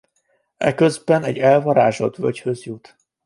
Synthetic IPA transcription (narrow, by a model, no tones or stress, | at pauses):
ɛ̰kø̞zbɛnɛɟːɛlvɒɾaːʒo̞t̪vøchø̞zjut̪